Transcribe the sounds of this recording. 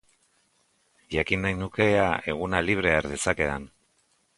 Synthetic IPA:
ʝakinːajnuke̞ae̞ɣ̞unaliβ̞ɾe̞aɾðe̞sake̞an

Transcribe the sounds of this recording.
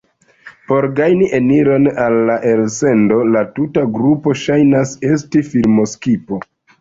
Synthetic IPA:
po̞ɾɡajniʔeniɾo̞nalːaʔe̞lse̞ndo̞latutaɡɾupo̞ʃajnase̞s̬tifilmo̞skipo̞

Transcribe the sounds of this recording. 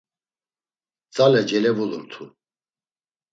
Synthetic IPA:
t͡sʼalɛd͡ʒɛlɛvuluɾt̪ʰu

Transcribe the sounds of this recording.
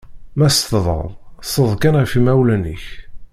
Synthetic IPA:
mæst̪ðˤə̰ðˤsəðˤkænʁəfimæwlænə̰ç

